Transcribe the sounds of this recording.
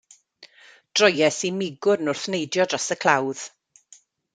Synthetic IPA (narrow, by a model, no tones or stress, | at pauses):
d̥rɔjɛsimɪɡʊrnʊrθnejdjɔdrasəkʰl̥ˠawð̥